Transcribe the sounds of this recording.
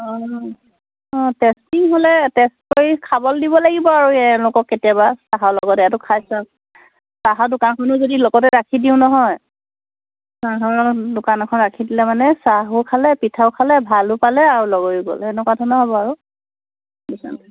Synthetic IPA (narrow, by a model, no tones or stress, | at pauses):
ɔ | ɔ̃tɛstiŋɦolɛtɛstkoɹikʰabɔldibɔlaɡibɔaɹuɛ̃lʊkɔkːetijabasaɦalɔɡɔtɛɛtʊkʰajsa | saɦadʊkankʰɔnɔzodilɔɡɔtɛɹakʰidiʊ̃nɔɦɔj | sakʰɔɔdʊkanɛkʰɔnɹakʰidilɛmanɛsaɦʊkʰalɛpitʰaʊkʰalɛbʱalʊpalɛaɹulɔɡɔiɡɔ̰lɛɛnɛkwadʰɔnɔɦɔbɔaɹu | dusa̰n